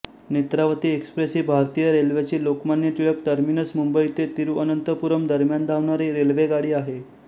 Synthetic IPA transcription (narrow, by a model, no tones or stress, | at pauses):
net̪ɾaʋət̪iːekspɾesiːbʱaɾt̪ijəɾelʋat͡ɕiːlokmanjət̪iɭək̚ʈəɾminəsmumbəit̪et̪iɾuːʔənənt̪əpuɾəmd̪əɾmjand̪ʱaʋɳaɾiːɾelʋeɡaɽiːaɦe